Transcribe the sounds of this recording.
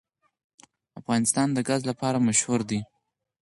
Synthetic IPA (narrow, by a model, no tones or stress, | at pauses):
afɣɑnɪst̪ɑnd̪əɡazlapɑɾamaʃhʊɾd̪i